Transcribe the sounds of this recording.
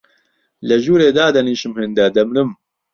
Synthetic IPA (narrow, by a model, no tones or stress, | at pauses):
lɐʒuːɾeːd̪aːd̪ɐniːɕimhend̪ɐd̪ɐmnɨm